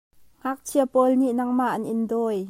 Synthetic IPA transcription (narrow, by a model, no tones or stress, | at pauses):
ŋ̥ak̚t͡sʰiəpɔlniʔnɐŋmaʔɐnʔɪndɔːj